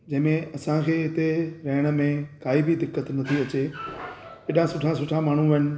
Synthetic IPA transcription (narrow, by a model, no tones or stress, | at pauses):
d͡ʑɐ̃ɦɪ̃mẽɐsãkʰeːɦɪt̪eɾɐɦɪɽ̃ə̆mẽkaːibʱɪd̪ɪkːət̪nɐt̪ʰiɐt͡ɕe | ɪɗãsʊʈʰãsʊʈʰamaːɳ̤ũʋɐn̆